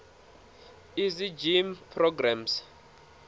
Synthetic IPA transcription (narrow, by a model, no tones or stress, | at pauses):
izid͡ʒimpʰrɔɡrams